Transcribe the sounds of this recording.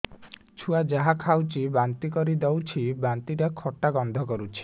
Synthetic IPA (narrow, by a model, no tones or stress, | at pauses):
t͡ʃʰuad͡ʒaɦakʰawt͡ʃibant̪ikɔɾid̪ɔwt͡ʃʰibant̪iʈakʰɔʈːaɡɔnd̪ʱɔkɔɾut͡ʃʰi̥